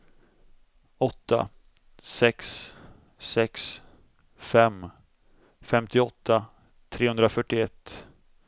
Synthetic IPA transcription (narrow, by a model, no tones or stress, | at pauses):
ɔt̪ːa̰ | sɛks | sɛks | fɛm | fɛmt̪ɪɔt̪ʰːa | t̪ʰɾeːɵnd̪ɾafœʈːɪɛt̪ː